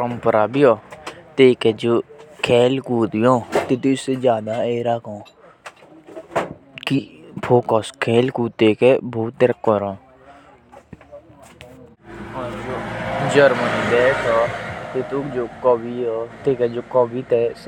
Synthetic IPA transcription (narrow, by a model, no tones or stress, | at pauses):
pəɾəmpəɾaːbiːoːt̪eːkɛːd͡ʒoːkʰɛːlkuːt̪iːõːt̪eːt̪uɪseːd͡ʒjaːd̪aːeːɾakʰõː | kɪpʰoːkɔskʰɛːlkuːt̪eːkɛːboːt̪əɾəkːoːɾõː | ɦaːd͡ʒoːd͡ʒəɾməniːd̪ɛːkʰɔːt̪eːt̪uːd͡ʒoːkoːbiːɔːt̪eːkɛːd͡ʒoːkɔːbiːt̪ɛːs